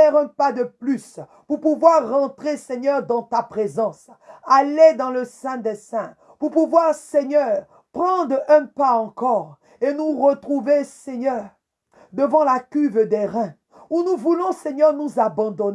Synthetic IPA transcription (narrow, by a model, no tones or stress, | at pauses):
ɛʁɛ̃pad̪əplys | puʁpuvwaʁːɑ̃t̪χesɛɲœʁd̪ɑ̃t̪apχezɑ̃s | aled̪ɑ̃ləsɛ̃d̪ɛsɛ̃ | puʁpuvwaʁsɛɲœʁ | pχɑ̃d̪ʁɛ̃paɑ̃kɔʁ | enuʁət̪χuvesɛɲœʁ | d̪əvɑ̃lakʲyvd̪ɛʁɛ̃ | unuvulɔ̃sɛɲœʁnuzabɑ̃d̪ɔn